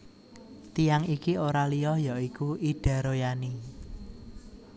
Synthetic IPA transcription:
t̪ijaŋikioɾalijɔhjaʔikuʔiɖ̥a̤ɾojani

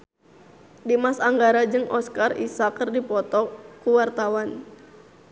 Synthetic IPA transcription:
dimasaŋɡaɾad͡ʒɨŋʔɔskarḭsakɨrdipɔt̪ɔkuwart̪awan

